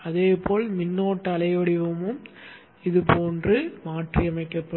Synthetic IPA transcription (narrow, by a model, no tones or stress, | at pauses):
ɐðeːpoːlmɪnːoːʈːɐlɐɪʋɐɽɪʋɐmɯm | ɪðɯpoːndrɯmaːʈriɐmɐɪkːɐpːɐ